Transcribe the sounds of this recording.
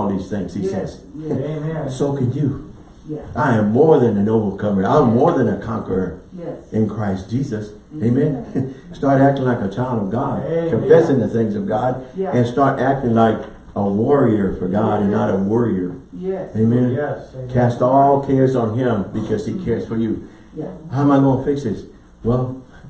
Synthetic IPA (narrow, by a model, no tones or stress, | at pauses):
ɔlˠðiz̥θɪ̃ŋz̥isɛz̥ | soʊkʰɨ̃njɨ | ʔaɪɨ̃mːɔɹðɨ̃nɨ̃noʊvə˞kʰʌmɪ̃ŋã̰ɪ̃mːɔɹðɨ̃nɨkʰɑ̰̃ŋkə˞ə˞ʔɨ̃nkʰɹ̥aɪsd̥ʒ̥izɨs | eɪmɛ̃nstɑɹɾæk̚tɪ̃ŋlaɪkɨt͡ʃʰaɪlˠdʌvɡɑd̚kʰɨ̃ɱfɛsɪ̃ŋðɨθɪ̃ŋzʌvɡɑdɨ̃nstɑɹɾʔæk̚tɪ̃ŋlaɪk | əwɔɹiə˞fə˞ɡɑɾɨ̃nːəɾəwɜɹiə˞eɪmɛ̃nkʰæstɔlˠkʰɛɹzn̩ɪ̃mbɨkʰʌz̥ikʰɛɹz̥fə˞jɨ | haʊə̃maɪɡoʊɪ̃ŋfɪksɪz̥ | wɛlˠ